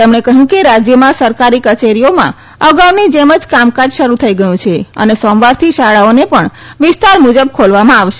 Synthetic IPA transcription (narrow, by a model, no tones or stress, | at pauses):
t̪əmnekəɦjũkeɾad͡ʒjəmãsəɾkaɾikət͡ʃeɾijomã̰ | əɡaʋnĩd͡ʒeməd͡ʒkamkãd͡ʒʃəɾut̪ʰəiɡəjũt͡ʃʰeə̰nesɔmʋaɾt̪ʰiʃaɭaonepəɳ | ʋɪst̪aɾmud͡ʒəb̚kʰolʋamãaʋʃe